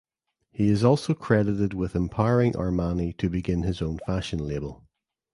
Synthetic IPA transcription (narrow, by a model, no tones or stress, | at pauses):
hiɪzɔlˠsokʰɹ̥ɛdɪʔɪd̚wɪðɪ̃mpʰaɪəɹɪ̃ŋʔə̰˞manitʰəbɪɡɪ̃nɪzõnfaʃə̃nlˠebəlˠ